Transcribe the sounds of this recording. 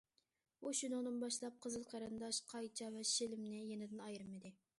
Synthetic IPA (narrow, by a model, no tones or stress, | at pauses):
uʃunʊnɨnbɑʃlˠɑp̚qʰəzɨlˠqʰɑɾɨnd̪ɑʃqʰɑjt͡ʃʰɑvɛʃɪlɪmnɪjenɪd̪ɪnɑjɾɨmɨd̪ɪ